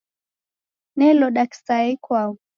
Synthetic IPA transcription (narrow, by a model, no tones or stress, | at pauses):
nɛlɔɗaksaɛkwau